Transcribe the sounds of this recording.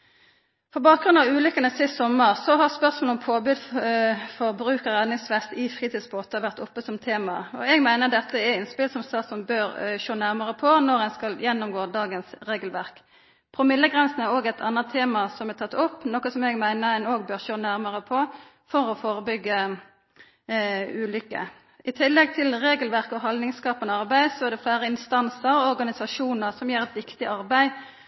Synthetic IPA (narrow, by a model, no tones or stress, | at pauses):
fɔʁbɑːk̚ɡʁʉnd̪ɑʋʉːlʏkːənəsɪst̪sɔməʁsɔɦɑʁspœʁsmoːlɔmpʰoːbʉːd̪ | fɔʁbɾʉːkəʁɛd̪nɪŋsʋɛst̪ɪfʁiːt̪iːd̪sboːt̪əʋæʁt̪ʊpːəsɔmt̪ʰeːmɑɔɛɡmæɪnəʁd̪ɛt̪ːəɛɪnspɪlsɔmst̪ɑːt̪sɔnbøːɾʃoːnæʁməʁəpʰɔnɔʁɛnskɑljɛnːʊmɡoːd̪ɑːɡənsʁeːɡəlʋæʁk | pʰʁʊmɪlːəɡʁɛnsn̩æɾoːɡɛɪt̪ʰɑ̰nːɑt̪ʰeːmɑsɔmæʁt̪ʰɑt̪ːʊpːnɔkːəsɔmɛɡmæɪnəʁɛnoːɡ̚bøːʁʃoːnæʁməʁəpʰɔ | fɔɾɔfoːɾəbʏɡːə | ʉːlʏkːə̰ | ɪt̪ʰɪlːɛɡ̚t̪ʰɪlʁeːɡəlʋæʁkɔɦɑld̪nɪŋskɑːpənəɑʁbæɪsɔæʁd̪ɛfæːɾəɪnst̪ɑnsəɾɔɾɡɑnɪsɑʂuːnəʁsɔmjeːɾʁɛt̪ʋɪkt̪ɪʔɑɾbæɪ